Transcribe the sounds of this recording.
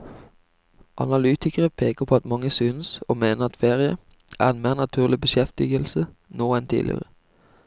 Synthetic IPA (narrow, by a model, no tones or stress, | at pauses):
ʔɑ̰nɑlyːt̪ɪkəʁəpʰeːkəʁpʰoːɑt̪mɑŋːəsynso̰ːmeːnəʁɑt̪feːʁɪə̰ | ʔæ̰ːʁɛnmeːʁnɑt̪ʰʉːʁlɪbəʃɛft̪ɪɡəlsə | noːɛnt̪ʰɪ̰lʔɪ̰ʁə